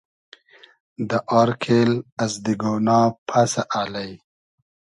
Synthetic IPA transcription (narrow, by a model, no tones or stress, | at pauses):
d̪əʔɑːɾkʰelazd̪iɡonɑːpʰasaʔalaj